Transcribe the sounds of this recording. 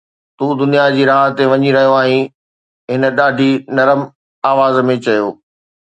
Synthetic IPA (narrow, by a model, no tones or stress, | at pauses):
t̪uːd̪ʊnijad͡ʑiːɾaːɦt̪eʋɐɲiɾɐɦijoaːɦĩ | ɦɪnə̆ɗaːɖʱinɐɾəm | aːʋaːzmẽt͡ɕɐjoː